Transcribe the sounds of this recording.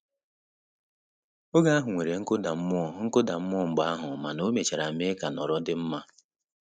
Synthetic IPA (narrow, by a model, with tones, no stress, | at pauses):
o˦ɡa˦a˦ɦʊ˨ŋʷe˨ɾe˨ŋ̩˦kʊ˦da˨m̩˦mʊ˦ɔ˨ŋ̩˦kʊ˦da˨m̩˦mʊ˦ɔ˦˨m̩˨ɡ͡ba˦a˦ɦʊ˨ma˨no˦me˨t͡ʃa˨ɾa˨me˦ka˨nɔ˨ɾɔ˦dɪ˦m̩˦ma˦